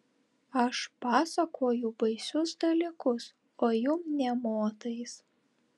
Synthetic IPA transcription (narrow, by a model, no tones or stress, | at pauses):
ɐʃpɑːsɐkʰoːjʊbɐɪsʲʊsd̪ɐlʲiˑkʊs | oːjʊmnʲɛmoːt̪ɐɪs